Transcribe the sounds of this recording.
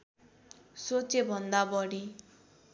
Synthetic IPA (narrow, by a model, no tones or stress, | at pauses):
sot͡ʃebʱɔnd̪abɔɽi